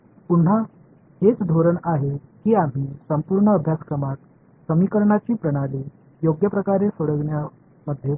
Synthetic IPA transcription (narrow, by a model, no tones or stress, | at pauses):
punɦa | het͡sd̪ʱoɾəɳaɦekiːam̤iːsəmpuːɾɳəːbʱjaskɾəmat̪̚ | səmikəɾɳat͡ɕiːpɾəɽ̃aɾi | joɡjəpɾəkaɾesoɽəɡɳja | məd̪ʱje